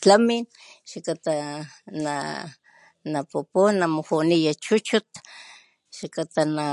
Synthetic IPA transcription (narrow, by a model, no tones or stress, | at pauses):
t͡ɬamin | ʃakat̪ana | napuponːamohunijat͡ʃut͡ʃut̪ | ʃakat̪ana